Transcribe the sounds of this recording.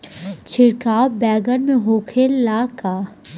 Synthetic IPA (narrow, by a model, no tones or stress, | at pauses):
t͡ʃʰɪɽkaːwbɛːɡəɾmẽɦoːkʰelaːkaː